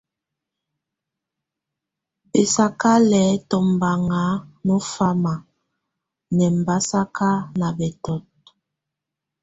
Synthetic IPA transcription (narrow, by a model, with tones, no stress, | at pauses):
be˨sa˦ka˦lɛ˨˦tɔ˨mba˨ŋa˨˦nɔ˦fa˦ma˨ | nɛ˨m˨ba˦sa˦kʰa˦na˨bɛ˨tɔ˨t̚